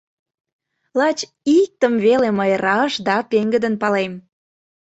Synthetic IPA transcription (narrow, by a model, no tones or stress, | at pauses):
lɑt͡ɕ | ik̚t̪əmβeleməjrɑʃd̪ɑt̪eŋɡəd̪ənpɑlem